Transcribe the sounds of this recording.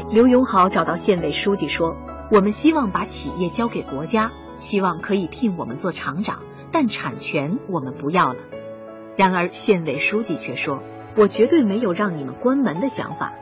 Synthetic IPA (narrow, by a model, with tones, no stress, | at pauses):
ljo˧˥ʊjʊ˧˥ŋxɑ˧˥ʊʈ͡ʂɑ˨˩ʊt̪ɑ˥˧ʊɕjɛ˥˧nwe˥˩ɪʂu˥t͡ɕi˥˩ʂwɔ˥wɔ˨˩mə˦nɕi˥wɑ˥˩ŋpa˧˥t͡ɕʰḭ˨˩jɛ˥˩t͡ɕjɑ˥ʊke˨˩ɪkwɔ˧˥t͡ɕja˥ | ɕi˥wɑ˥˩ŋkʰɤ˧˥i˨˩pʰi˥˩ŋwɔ˨˩mə˦nt͡swɔ˥˩ʈ͡ʂʰɑ˧˥ŋʈ͡ʂɑ̰˨˩˦ŋ | t̪a˥˩nʈ͡ʂʰa˨˩nt͡ɕʰɥɛ˧˥nwɔ˨˩mə˦npu˧˥jɑ˥˩ʊlə˩ | ɻa˧˥nə˞˧˥ɕjɛ˥˧nwe˥˩ɪʂu˥t͡ɕi˥˧t͡ɕʰɥɛ˥˩ʂwɔ˥ | wɔ˨˩t͡ɕɥɛ˧˥t̪we˥˩ɪme˧˥ɪjo˨˩ʊɻɑ˥˩ŋni˨˩mə̰˦nkwa˥nmə˧˥nd̪ə˧ɕjɑ̰˧˥ŋfa̰˨˩˦